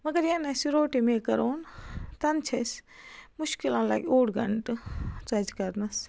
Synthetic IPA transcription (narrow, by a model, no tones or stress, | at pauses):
mɐɡɐɾjɐnɐsiɾoːʈimekɐɾoːnt̪ɐnt͡ʃʰɐsmuʃkilãːla̰ːɡʲoːɽɡʱɐ̰ɳʈt͡sɐd͡ʒkɐɾnɐs